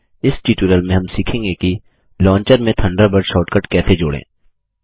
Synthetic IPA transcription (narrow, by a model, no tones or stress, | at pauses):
ɪsʈiːʈuːɾəlmẽɦɐmsiːkʰẽːŋɡeki | lɔ̃ːɲt͡ʃəɾmẽt̪ʰɐ̃ɳɖəɾbəɽʃɔːʈkəʈkɛːt̪ʰed͡ʒoːɽḛ̃ː